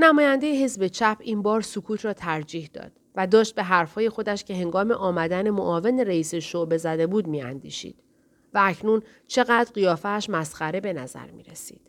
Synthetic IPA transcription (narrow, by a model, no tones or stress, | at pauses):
næmɒːjænd̪e̞jeɦe̞zbe̞t͡ʃʰæpʰiːnbɒːɾsukʰuːt̪ʰrɒːt̪ʰæɾd͡ʒiːhd̪ɒ̰ːd̪̥væd̪ɒːʃt̪̚be̞ɦæɾfhɒːje̞xo̞d̪æʃcʰe̞ɦe̞ŋɡɒːme̞ʔɒːmæd̪ænemoʔɒːve̞neɾeiːseʃoʔbe̞zæd̪ebuːd̪miːæ̰nd̪ḭːʃḭːd̪̥ | vææcʰnuːn | t͡ʃʰe̞ɣæːd̪ɾɢijɒːfæːʃmæsχæɾe̞be̞næzæ̰ɾmḭːɾesḭːd̪̥